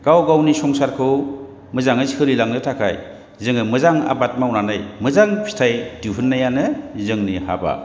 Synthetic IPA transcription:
ɡ̥awɡawnisɔŋsaɾkʰɯw | mɯzaŋɯjshɯɾilaŋnɯtʰakʰa̰j | zɯŋɯmɯzaŋa̰bat̚mawnanɯjmɯzaŋpʰi̥tʰajdiwɦɯnːajanɯzɯŋniha̰ba̰

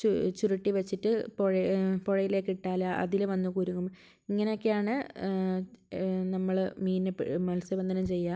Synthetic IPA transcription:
t͡ɕut͡ɕuriʈːiʋɐt͡ɕːiʈːɨpoɻɐpoɻɐjile̞ːkːiʈːaːlɐʔɐ̰ðilʋɐnːukuːɾuŋːum | iŋːɐneo̞kːejaːɳɨ | nɐmːɐɭmiːnɨpmɐlsɐbɐnd̪ɐnumt͡ɕe̞jːaː

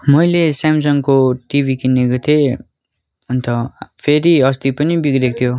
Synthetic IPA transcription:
mʌjlesamsʌŋkoʈibʱikinːeɡʌt̪ʰe | unt̪ʰʌpʰeɾiʌst̪ipʌnibikɾek̚t̪ʰjo

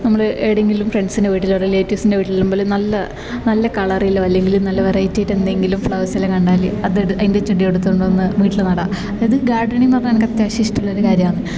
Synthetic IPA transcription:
nɐmːɐɭʔeːɽeŋɡilumfreɳɖsinde̞ʋiːʈːilorileːtːjusinde̞ʋiːʈːilːumbo̞ːlnɐlːɐ | nɐlːɐkɐɭɐrijilːɐʋɐlːe̞ŋɡilumnɐlːɐʋɐrɐjitːejiʈːend̪eŋɡilumfɭɐwɐsɐlːɐkɐɳɖaːliɐðeɐindet͡ɕːuɽijeɽut̪ːuuɳɖoenːɨʋiːʈːilnɐɽɐ | ɐðɨɡaːrɖɐɳijmpɐrɐɲːɐnɐkɐt̪ːjaɕiʂʈuɭːɐoɾukaːɾjɐmaːɳɨ

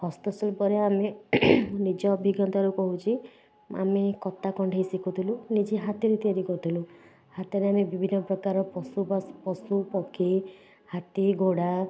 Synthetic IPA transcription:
hɔst̪ɔsɔlpɔɾeame | nid͡ʒɔːbʱiɡjɔnt̪aɾukɔɦut͡ʃʰi | a̰mekɔt̪ːakɔɳɖʱejsikʰut̪ʰilunid͡ʒiɦat̪ɔɾit̪iaɾikɔt̪ʰilu | hat̪ɔɾeamebibʱinːɔpɾɔkaɾɔpɔsubpɔsupɔkʰi | hat̪iɡoɽa

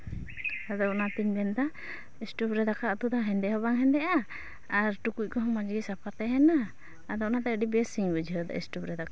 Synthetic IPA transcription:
ad̪ɔʔnat̪iɲd̪ɛnt̪a | isʈupɾɛd̪akaɔt̪ud̪aɦɛnd̪ɛɦɔbaŋɦɛnd̪ɛʔaː | ɾʈukuc̚kɔɦɔ̃mad͡ʒɡisap̚aɾt̪ɛɦɛna | ad̪ɔʔnat̪aəɖibɛsiŋbəd͡ʒɦəd̪a̰ʔḭsʈubɾɛd̪aka

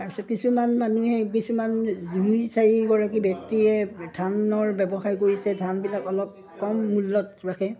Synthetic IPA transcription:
aɹsɔkisumanmanuɦɛkisumanzujsaɹiɡɔɹak̬ibjɔk̚tiɹɛdʰʱanɔɹbɛbɔxajkoɹisɛdʱanbilakɔlɔp̚ | kɔmːulːɔtɹakʰɛ

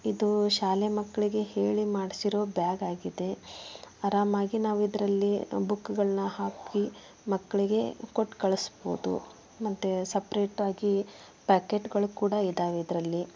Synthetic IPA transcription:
id̪uʃaːlemɐkːɐɭiɡe̞he̞ːɭimaːɽisiɾo̞ːbjaːɡaːɡid̪e̞ | ɐɾaːmaːɡinaːʋuid̪ɐɾɐlːibukːɡɐɭɐnɐhaːki | mɐkːɐɭiɡe̞koʈːkɐɭɐsbo̰ːd̪ṵ | mɐt̪ːesɐpɐɾe̞ːʈaːɡi | paːkeʈɡɐɭukuːɽɐid̪aːʋeid̪ɐɾɐlːi

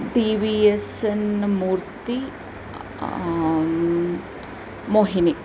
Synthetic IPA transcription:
ɖiːʋiesenmuːɾt̪i | moːɦini

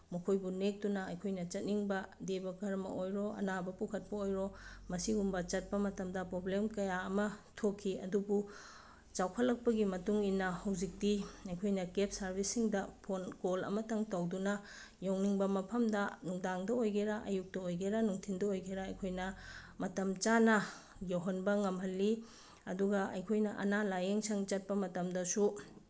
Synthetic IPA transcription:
mɐkʰojbunek̚tunɐɐjkʰojnɐt͡ʃɐt̚niŋbɐdebɐkɐɾɐmɐ̰ʔojɾoʔɐ̰nabɐpukʰɐt̚pɐojɾomɐsiumbɐt͡ʃɐt̚pɐmɐtɐmdɐpɾoblemkɐjaɐmɐtʰokʰːiɐ̰dubu | t͡ʃawkʰɐlːɐk̚pɐɡimɐtuŋinːɐhɐwzik̚diɐjkʰojnɐkep̚sɐɾbʱisːiŋdɐpʰonkolɐ̰mɐtɐŋtɐwdunɐ | jowniŋbɐmɐpʰɐmdɐnuŋdaŋdɐojɡeɾɐʔɐjuk̚tɐojɡeɾɐnuŋtʰindɐojɡeɾɐɐjkʰojnɐmɐtɐmt͡ʃanɐ | jowɦɐnbɐŋɐmɦɐlːi | ɐ̰duɡɐʔɐ̰jkʰojnɐʔɐ̰nalajeŋsʰɐŋt͡ʃɐt̚pɐmɐtɐmdɐsu

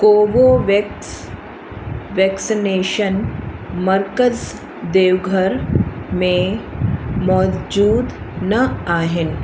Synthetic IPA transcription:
koːʋoʋe | ʋɛksineːʃənmɐɾkəz | d̪eːʋɡʱəɾmẽ | mɔd͡ʒuːd̪ | nɐaːɦɪn

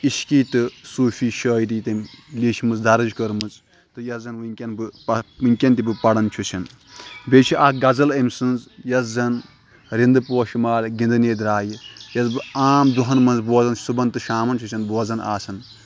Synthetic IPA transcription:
iʃkiːt̪ɨsuːfʰiːʃəːjɾiːt̪ɐmliːʃʰmɨzd̪ʱɐɾɐzkɐɾmɨz | t̪ɨjɐszɐnʋɨŋʲkʲɐnbɨpɐɨŋʲkʲɐnt̪ibɨpɐɽɐnt͡ʃʰut͡ʃʰɐn | bet͡ʃʰiʔaɡɐzɐlɐmsɨnzjɐszɐn | ɾind̪ɨpoːʃimaːlʲɡʲĩnd̪ɨneːd̪ɾaːjijɐzbɨaːmd̪uɦɐnmɐnzboːzɐnsubɐnt̪ɨʃaːmɐnt͡ʃʰut͡ʃʰɐnboːzɐna̰ːsʰɐn

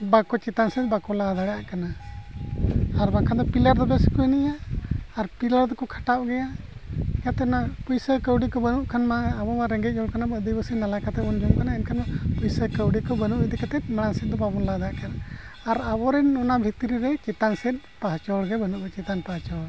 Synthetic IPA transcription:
bakɔt͡ʃɛt̪ansɛt̪̚bakɔlad̪aɽɛjaʔkana | ɾmakʰand̪ɔpiləɾd̪ɔbɛskɔjniʔaːɾpiləɾd̪ɔkɔkʰḁʈap̚ɡɛja | kjat̪ɛɔnapujsəkəwɖikɔbənuʔkʰanmaːbɔmaɾɛŋɡɛt̪̚ˀd͡ʒɔɽkanabəd̪ibəsinalakat̪ɛbɔnd͡ʒɔmkanaɛnkʰanmapujsəkəwɖikɔbənuʔɛd̪ɛkat̪ɛt̪̚maɽ̃ansɛt̪̚d̪ɔbabɔnlad̪aaʔkanaː | ɾabɔɾɛnɔnabʱit̪ɾiɾɛt͡ʃɛt̪ansɛt̪̚ˀpaɦt͡ʃɔɽɡɛbənuʔt͡ʃɛt̪anpaɦt͡ʃɔɽ

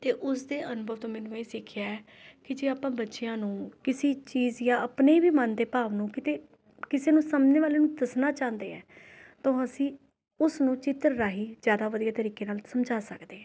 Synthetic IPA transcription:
t̪eːʔʊsd̪eːʔənʊbʱəʋt̪õːmɛːnũːeːsɪkʰɪjaːɛːkɪd͡ʒeːaːpãːbətːʃɪjãːnũːkɪsiːt͡ʃiːzjãːəpneiːbiːmənd̪eːpaːʋnũːkɪt̪eː | kɪseːnũːsəməd͡ʒneːʋaːleːnũːd̪əsnaːt͡ʃãːnd̪eːɛ̰ː | t̪õːəsĩː | ʊsnũːt͡ʃɪt̪əɾɾaːɦiːzjaːd̪aːʋəd̪ijaːt̪əɾiːkeːnaːlsəmd͡ʒaːsəkd̪eːɛ̃ː

